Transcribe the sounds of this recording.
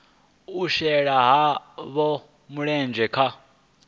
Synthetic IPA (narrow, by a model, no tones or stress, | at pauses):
uʃɛɺaɦaβɔ | muɺɛnd͡ʒɛkʰa